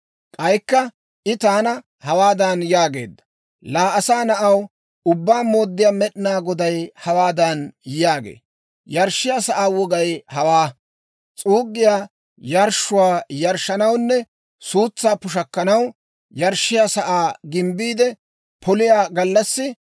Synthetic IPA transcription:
kʼɐjkːɐ | ʔɪt̪aːnɐ | hɐwaːd̪ɐnjaːɡe̞̰ːd̪ːɐ̥ | laːʔɐsaːnɐʔɐw | ʊbːaːmo̞ːd̪ːɪjaːmɛɗɪnaːɡɔd̪ɐjhɐwaːd̪ɐnjaːɡḛː | jɐɾʃːɪjaːsɐʔaːwɔɡɐjhɐwaː | t͡sʼuːɡːɪjaː | jɐɾʃʊwaːjɐɾʃːɐnɐwnːɛ | suːt͡sːaːpʊʃ̬ɐkːɐnɐw | jɐɾʃːɪjaːsɐʔaːɡɪmbiːd̪ɛ | pʰɔlɪjaːɡɐlːɐsːɪ

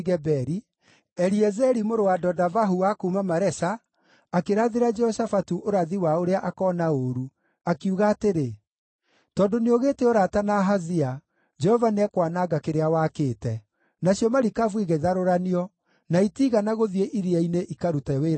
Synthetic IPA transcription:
ɣɛbɛɾi | ɛɾiɛzɛɾimoɾowadɔdavaɦuakuːmamaɾɛsaː | keɾaðeɾad͡ʒɛɔsafatuʔoɾaðiwaoɾeaʔakɔnaoɾu | akiuɣaːteɾe | tɔːndoneoɣeːteoɾatanaɦazia | d͡ʒɛhɔvanɛkwanaɡakeɾeawakeːtɛ | naɕjɔmaɾikavwiɣeiðaɾoɾaniɔ | naitiɣanaɣoðieʔiɾiaineʔikaɾutawe

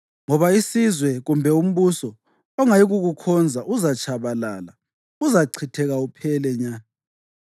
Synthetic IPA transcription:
ŋɔβaisizwɛɣumbʱɛum̩βusɔ | ɔŋajiɣuɣukʰɔnd͡zʱaʔuzat͡ʃʰʼaβalala | uzaǀʰitʰɛɣaupʰɛlɛɲa

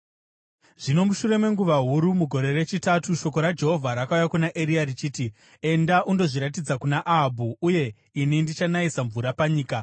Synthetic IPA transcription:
ʐ̥ino̞muʃure̞me̞ŋɡuʋaɦuɾumuɡʱo̞ɾe̞re̞t͡ʃitatuʃo̞ko̞ɾad͡ʒe̞ɦo̞vʱaɾakaujakunaʔeɾiarit͡ʃiːti | e̞ndaʔundo̞ʐiɾat̬id͡zakunaʔaɦbʱuuje̞ | inindit͡ʃanaisaɱvuɾapaɲiːka

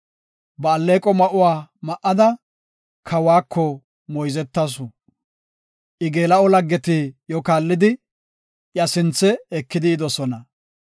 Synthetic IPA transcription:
bɐːlːeːkʼɔmɐʔʊwaːmɐʔːɐd̪ɐ | kʰɐwaːkʰːɔ | mɔjzɛt̪ːɐs̬ʊ | ʔɪɡeːlɐɔlɐɡːɛt̪ɪjɔkaːlːɪd̪ɪ | jɐsɪnt͡sːɛɛkːɪd̪ɪːd̪ɔsɔnɐ

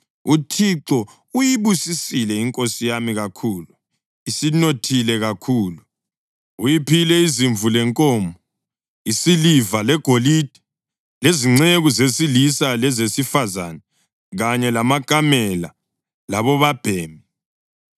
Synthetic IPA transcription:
utʰiǁɔ | ujiβusisilɛiŋkʼosijamiɣakʰuːlu | isinotʰilɛɣakʰuːlu | ujipʰilɛiziɱvulɛŋkʼɔːmbʱɔ | isilivalɛɡ̥ʱolid̥ʱi̥ | leziŋ͡ǀeɣuzesilisalɛzesifaza̰nɛ | ɣaɲɛlamaɡ̥ʱamɛla̰ | laβɔβab̥ʱeːmi

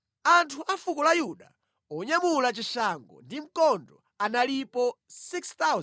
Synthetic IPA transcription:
antʰuʔafukɔlajuɗa | ɔɲamulat͡ʃiʃaŋɡɔ̰ndim̩kɔndɔ | analipɔsikst̪awz

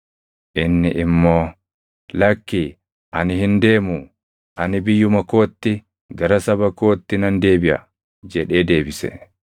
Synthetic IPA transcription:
ʔɪnːɪʔɪmːoː | lɐkːi | ʔɐnɪhɪnd̪e̞ːmu | ʔɐnɪbɪjːʊmɐko̞ːt̪ːɪ | ɡɐɾɐsɐbɐkoːt̪ːɪnɐnd̪e̞ːbɪʔɐ̰ | d͡ʒɛᶑe̞ːd̪e̞ːbɪsɛ̰

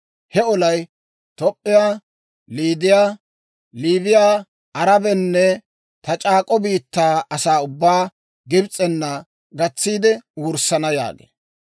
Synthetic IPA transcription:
hɛɔlɐj | t̪ɔpʼːɪjaː | liːd̪ɪjaː | liːbɪjaː | ʔɐɾɐbɛnːɛ | t̪ɐt͡ʃʼaːkʼɔbiːt̪ːaːɐsaːʊbːaː | ɡɪbt͡sʼːɛnːɐ | ɡɐt͡sːiːd̪ɛwʊɾsɐnɐja̰ːɡḛː

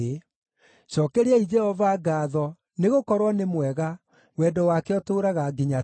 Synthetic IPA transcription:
e | ɕɔkɛɾeɛid͡ʒɛhɔvaɡaːðɔ | neɣokɔɾwɔnemwɛɣa | wɛdɔwakeɔtoːɾaɣaɡeɲa

